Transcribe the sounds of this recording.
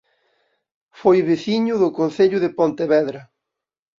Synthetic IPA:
fojβeθiɲʊðʊkonθeʎʊðepont̪eβɛðɾɐ

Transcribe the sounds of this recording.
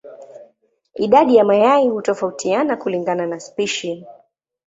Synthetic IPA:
iɗaɗijamajaihutɔfautʰianakuliŋɡananaspiʃi

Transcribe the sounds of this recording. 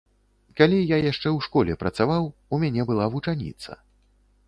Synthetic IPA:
kalʲijajaʂt͡ʂɛwʂkɔlʲɛpɾɐt̪savawumʲanʲɛbɨlˠavut͡ʂanʲḭt̪sɐ̰

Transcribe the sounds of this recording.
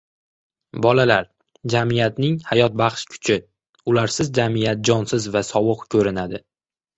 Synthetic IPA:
bɒlalaɾ | d͡ʒamijat̪nɪŋhajɒt̪̚baχʃkʲʰʊ̥t͡ʃʰɪ | ʊlaɾsɪzd͡ʒamijat̪̚d͡ʒɒnsɪzvasɒwɨqkʲʰɵɾɪnad̪ɪ

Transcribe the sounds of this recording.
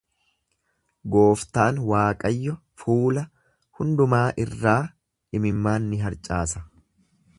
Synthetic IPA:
ɡo̞ːft̪aːnwaːkʼɐjːɔ | fuːlɐ | hʊnd̪ʊmaːʔɪrːaː | ɪmɪmːaːnːɪɦɐɾt͡ʃʼaːsɐ

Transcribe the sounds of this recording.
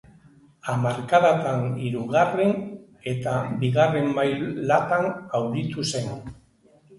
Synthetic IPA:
amaɾkaðat̪aniɾuɣaren | e̞t̪abiɣare̞mbajlat̪anawðit̪use̞n

